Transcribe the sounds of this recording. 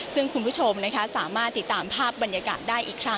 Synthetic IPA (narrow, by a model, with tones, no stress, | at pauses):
sɯ˥˩ŋkʰu˧npʰu˦˥t͡ɕʰo˧mna˦˥kʰa˦˥saː˩˦maː˥˩t̪ːi˨˩t̪ːaː˧mpʰaː˥˩p̚ba˧nja˧ka̰ː˨˩t̪̚daː˥˩jʔiː˨˩kʰɾa˦˥